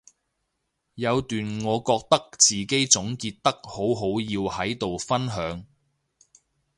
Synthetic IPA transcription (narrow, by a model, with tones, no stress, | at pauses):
jɐ˨˧wt̪yː˨nŋɔː˨˧kɔː˧k̚t̪ɐ˥k̚t͡siː˨ke˥jt͡sʊ˨˥ŋkiː˧t̚t̪ɐ˥k̚ho˨˥wɦo˨˥wjiː˧whɐ˨˥jt̪o˨wfɐ˥nɦœː˨˧ŋ